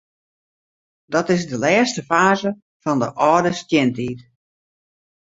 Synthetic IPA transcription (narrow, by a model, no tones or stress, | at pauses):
dɔtɪzdəlɛːstəfaːzə | fɔndəʔɔːdəstjɪntiːt